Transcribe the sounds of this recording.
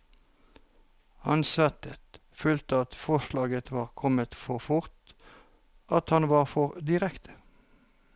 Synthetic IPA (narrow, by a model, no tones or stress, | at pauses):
hɑnsʋæt̪ət̪ | føːlt̪əɑt̪fɔʁʃlɑːɡət̪ʋɑːʁkʰɔmət̪fɔʁfʊʁt̪ | ʔɑt̪hɑnʋɑːʁfɔʁd̪ɪʁɛkt̪ʰə̥